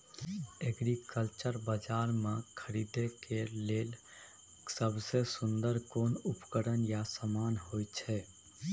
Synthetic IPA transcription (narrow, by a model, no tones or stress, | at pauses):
eɡɾikəlt͡ʃəɾbəd͡ʒaːɾmekʰəɾid̪ekeleːl | səbʱsesʊnd̪əɾkoːnupkəɾənjasəmaːnɦojt͡ʃʰɛ